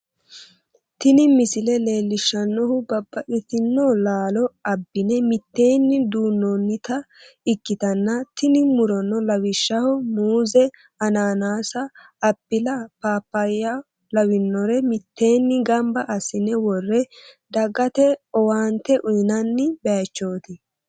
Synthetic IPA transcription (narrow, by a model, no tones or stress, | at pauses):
t̪ɪnɪmɪsɪlɛle̞ːlːɪʃːɐnːɔhʊbɐbːɐʔɪt̪ɪnːɔlaːlɔɐbːɪnɛmɪt̪ːe̞ːnːɪd̪uːnːɔnːɪt̪ɐ | ɪkːɪt̪ɐnːɐt̪ɪnɪmʊɾɔnːɔlɐwɪʃːɐhɔmuːzɛ | ɐnaːnaːsɐː | bːɪlɐpaːpːɐjɐ | lɐwɪnːɔɾɛmɪt̪ːe̞ːnːɪɡɐmbɐʔɐsɪnɛwɔrːɛ | d̪ɐɡɐt̪ɛɔwaːnt̪ɛʔʊjɪnɐnːɪbɛɐt͡ʃːoːt̪ɪ